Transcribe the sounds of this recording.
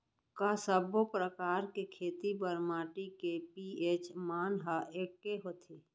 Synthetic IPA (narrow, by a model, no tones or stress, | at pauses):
kasəbopɾəkaːɾkekʰeːt̪ibəɾmaːʈikepieːt͡ʃmaːnɦaeːkːeɦoːt̪ʰeː